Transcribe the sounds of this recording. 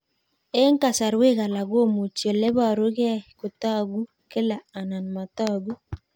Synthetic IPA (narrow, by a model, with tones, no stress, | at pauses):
e˦ŋ˦ka˨sa˨ɾwe˦ɣa˨la˨ɡo˦˨mu˨t͡ʃo˨lɛ˦ba˦˨ɾo˦ɡɪ˦a˦˨kʊ˨t̪a˦˨ɡu˦ | ke˦la˨a˨na˨nma˨t̪ɔ˦˨ɡu˦